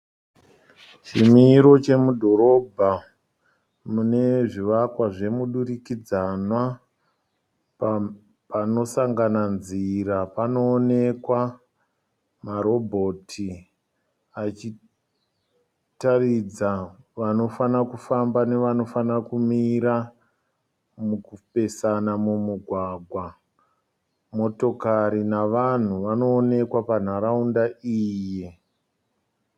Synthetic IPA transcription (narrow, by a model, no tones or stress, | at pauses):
t͡ʃimiːɾo̞t͡ʃe̞mudʱo̞ɾo̞bʱa | mune̞ʐiʋakwaʐe̞muɗurikid͡zanwa | pano̞saŋɡananziɾapano̞ːne̞kwa | maɾo̞bʱo̞tʰi | at͡ʃi | tarid͡zaʋano̞fanakufambane̞ʋano̞fanakumiɾa | mukupe̞sanamumuɡʱwaɡʱwa | mo̞to̞kaɾinaʋan̤uʋano̞ːne̞kwapan̤aɾaundaiːje